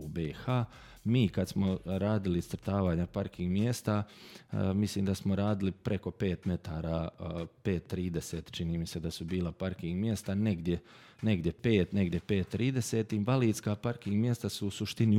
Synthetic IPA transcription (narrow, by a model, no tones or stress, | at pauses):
ubeːxaː | miːkad̪smoɾaːd̪ilisɾ̩t̪aːʋaːɲapaɾkiŋɡmje̞st̪a | misliːmd̪asmoɾaːd̪ilipɾe̞ko̞pe̞ːt̪me̞t̪aːɾaːpe̞ːt̪ːɾiːd̪e̞se̞ːt̪t͡ʃiniːmise̞d̪asubiːlˠapaɾkiŋɡmje̞st̪ane̞ɡd̪je̞ | ne̞ɡd̪jepeːt̪ne̞ɡd̪ʲjepe̞ːt̪ːɾiːd̪e̞set̪iimʋaliːd̪skaːpaɾkiŋɡmjest̪asuːsuʃt̪ini